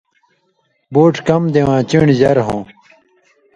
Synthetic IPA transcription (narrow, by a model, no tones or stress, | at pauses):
boːʈkɐmd̪ewãːt͡ɕiɳzɐɾɦõː